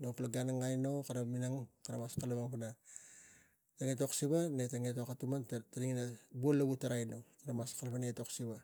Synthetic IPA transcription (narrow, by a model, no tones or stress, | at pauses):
noplaɡanaŋajnokaɾaminaŋkaɾamaskalamaŋpana | taŋetoksiβanetaŋetokatumantaɾiŋnabuolːaɡutaɾajnokaɾamaskalpanaetoksiβa